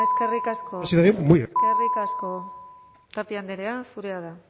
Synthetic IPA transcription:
eske̞rikaskosiðaðjomujskerikasko̞ | t̪ap̪iand̪eɾeasuɾeaða

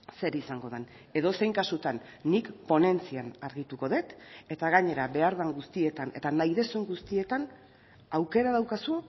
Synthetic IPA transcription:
se̞ɾisaŋɡo̞ð̞en | e̞ðo̞se̞jŋkasut̪anː | ikpo̞ne̞nt͡sianaɾɣit̪uko̞ðe̞t̪e̞t̪aɣ̞aɲe̞ɾaβe̞aɾðaŋɡust̪ie̞t̪ane̞̰t̪anajðe̞suŋɡust̪ie̞t̪an | awke̞ɾað̞awkasu

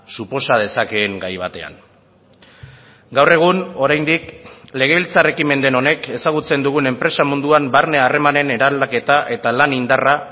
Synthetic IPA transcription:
supo̞sað̞e̞sake̞ːŋɡajβ̞at̪e̞a̰n | ɡawre̞ɣ̞uno̞ɾajnd̪ikle̞ɣ̞e̞βilt͡sare̞kime̞nd̪e̞no̞ne̞ke̞saɣ̞ut͡se̞nd̪uɣ̞une̞mpɾe̞samund̪uambaɾne̞are̞mane̞ne̞ɾalake̞t̪aʔe̞t̪alanind̪ara

